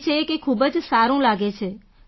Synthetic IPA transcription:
t͡ʃʰekekʰubəd͡ʒsaɾũlaɡet͡ʃʰe

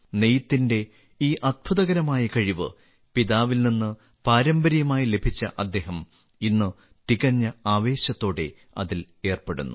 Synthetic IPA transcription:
ne̞jit̪ːinde̞ | iːʔɐd̪̚bʱuðɐɣɐɾɐmaːjɐkɐɻiʋɨ̰ | piðaːʋilninːɨ | paːɾɐmbɐɾijɐmaːjile̞bʱit͡ɕːɐʔɐd̪ːe̞ːɦɐm | inːɨ | t̪iɣɐɲːɐaːʋe̞ːɕɐt̪ːo̞ːɽe̞ | ɐ̰ðil | e̞ːrpeɽṵnːu

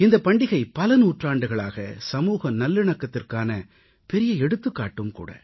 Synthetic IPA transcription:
ɪnd̪ɐpɐɳɖɪɣɐɪpɐlɐnuːʈraːɳɖɯɣɐɭaːɣɐsɐmuːɣɐnɐlːɪɳɐkːɐt̪ːɪrkaːnɐ | pɛɾɪjɐɛɽɯt̪ːɯkːaːʈːɯmkṵːɽɐ̰

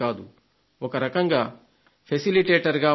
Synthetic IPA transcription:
aːd̪u | ɔkɐɾɐkɐŋɡaː | pʰesiliʈeːʈɐɾɡaː

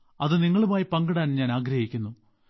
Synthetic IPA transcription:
ɐðɨniŋːɐɭumaːjipɐŋɡɐɽaːnɲaːnaːɡɾɐhikʲːunːu

